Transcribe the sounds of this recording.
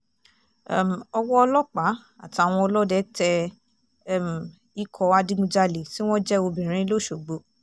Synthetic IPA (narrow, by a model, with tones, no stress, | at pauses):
m˨ɔ˧wɔ˦ɔ˧lɔ˦k͡pa˨˦ | a̰˦˨ti˨˧a˨w̃ɔ̃˧ɔ˧lɔ˦dɛ˦tʰɛ˧ | m˨ | i˦kʰɔ˧a˧di˦ɡũ˧d͡ʒa˧le˨ti˦w̃ɔ̃˦d͡ʒɛ˦o˧bĩ˨ɾ̃ĩ˦lo˦˨ʃo˨ɡ͡bo˨˦